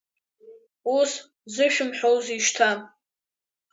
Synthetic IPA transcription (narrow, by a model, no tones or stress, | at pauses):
us | zɨʃᶣʊmħᶣowziʃtʰam